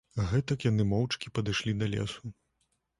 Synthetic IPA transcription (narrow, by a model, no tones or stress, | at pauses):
ɣɛt̪ɐkjanɨmɔwt͡ʂkʲipɐd̪ɨʂlʲid̪ɐlʲɛ̰su